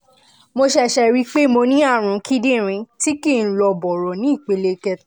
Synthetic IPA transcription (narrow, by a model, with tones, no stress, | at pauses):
mo˧ʃɛ˦˨ʃɛ˧ɾi˦k͡pe˦mo˧nĩ˦a˦˨ɾ̃ũ˨˦kʰi˦dĩ˦˨ɾ̃ĩ˨˧˦ti˦kĩ˦˨n̩˦lɔ˧bɔ˨ɾɔ˨nĩ˨˦i˦˨k͡pe˨˦le˧kɛ˦